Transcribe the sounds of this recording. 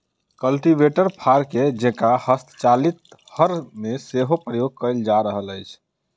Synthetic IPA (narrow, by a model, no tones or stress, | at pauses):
kəlʈibeʈəɾpʰaɾked͡ʒekahəst̪ʰt͡ʃalit̪̚həɾmeseɦopɾəjoɡ̚kəld͡ʒaɾəɦələjt͡ʃʰ